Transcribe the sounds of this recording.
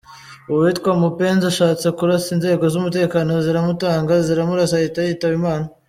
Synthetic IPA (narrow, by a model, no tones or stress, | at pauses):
uitkwamupe̞ːnzaʃaːt͡sekuɾasinze̞ːɡo̞zumute̞ːkaːno̞ziɾamutaːŋɡaziɾamuɾasahitajitaβimaːna